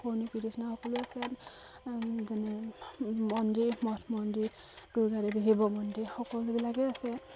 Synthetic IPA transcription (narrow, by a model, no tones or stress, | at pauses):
kʰoɹnikidisnaxɔkɔluasɛ | zanɛ | mɔndimɔtʰmɔndi | d̥uɹɡaɹɛbiɦibɔmɔndixɔkɔlubilakɛasɛ